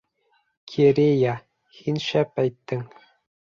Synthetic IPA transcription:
kʲʰeɾʲejɑ | xinɕæpæjt̪ʲːɘ̆ŋ

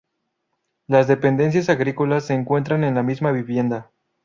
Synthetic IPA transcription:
lazðe̞pe̞nd̪e̞ns̬jasaɣɾiko̞lasːe̞ːŋkwe̞nt̪ɾane̞nlamizmaβiβje̞nd̪a

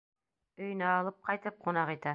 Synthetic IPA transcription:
ɵ̆j̆næːlˠɤp̚qɑjt̪ɤp̚qʰŏnɑqit̪æ

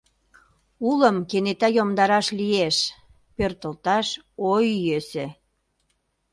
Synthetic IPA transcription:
uləmkenet̪ɑjomd̪ɑɾɑʃlieʃ | pørt̪ə̆lt̪ɑʃojːøse

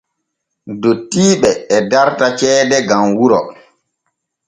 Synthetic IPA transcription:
dotːiːɓɛːdaɾtat͡ʃɛːdɛɡamwuɾɔ̰

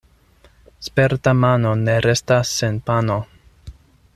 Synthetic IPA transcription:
spe̞ɾtamano̞ne̞ɾe̞stasːenpano̞

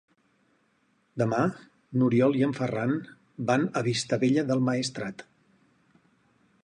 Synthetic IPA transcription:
d̪əma | nuɾiɔlˠiəɱfəran | banəβist̪əβeʎəðəlˠməist̪ɾat̪

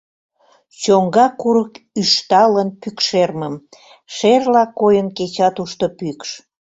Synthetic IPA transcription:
t͡ɕoŋɡɑkuɾəkyʃt̪ɑlənpykʃerməm | ʃerlɑkojənket͡ɕɑt̪uʃt̪opykʃ

